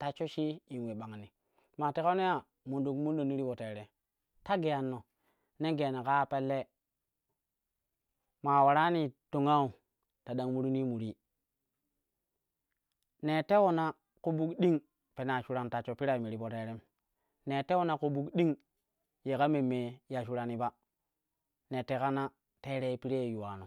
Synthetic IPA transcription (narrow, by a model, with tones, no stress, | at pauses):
ta˨t͡ʃo˦ʃi˦i˨n˨we˨ɓa˨ŋ˨ni˨ | ma˨te˦ka˦ne˦ja˦˨ | mu˨ndu˨kmu˦ndo˨ni˦ɾi˦bo˨te˨ɾe˨ | ta˦ɡe˨ja˨nːo˨ | ne˦ɡe˨a˨ni˨ka˦pe˦lːe˦ | ma˨wa˨ɾa˦ni˨to˨ŋa˦u˨ | ta˨ɗa˨ŋmu˦ɾu˦ni˦mu˨ɾi˦ | ne˨te˦wo˨na˦ | ko˦bu˦kɗi˦ŋ | pe˨na˨ʃu˨ɾa˨nta˨t͡ʃo˨pi˦ɾa˦˨mi˨ɾi˨bo˨te˨˦ɾe˦m | ne˨te˦wo˦na˨ko˨bu˦kɗi˦ŋ | je˨ka˦me˨mːe˨ja˨ʃu˦ɾa˨ni˦ba˦ | ne˨te˦ka˦na˦ | te˦ɾe˦pi˦ɾe˦˨ju˨wa˨no˨